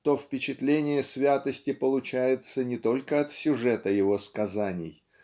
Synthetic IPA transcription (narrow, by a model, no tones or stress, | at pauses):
t̪ofpʲɪt͡ɕɪt̪lʲenʲɪjəsʲvʲat̪əsʲtʲɪpəlˠʊt͡ɕæjɪt̪sənʲɪt̪o̞lʲkəɐt̪sʲʊʐɛt̪əjɪvo̞skɐzanʲɪ̰j